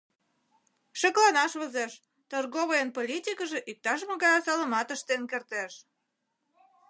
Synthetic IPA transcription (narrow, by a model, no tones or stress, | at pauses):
ʃə̆klɑnɑʃβəzeʃ | t̪ərɣoβəjənpolʲit̪ʲikəʒeʔik̚t̪ɑʃ̬mə̆ɣɑjɑsɑlə̆mɑt̪əʃt̪enkert̪eʃ